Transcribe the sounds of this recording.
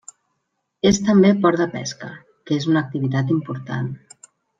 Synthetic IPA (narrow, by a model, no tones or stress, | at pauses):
est̪əmbepɔɾd̪əpɛ̰skə | kezunək̚t̪iβ̞it̪at̪impuɾt̪a̰n